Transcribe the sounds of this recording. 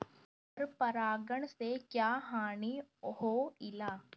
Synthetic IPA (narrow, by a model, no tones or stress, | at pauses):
ɐɾpɐɾaːɡəɽ̃sekjaːɦaːɽ̃ihoːɪlaː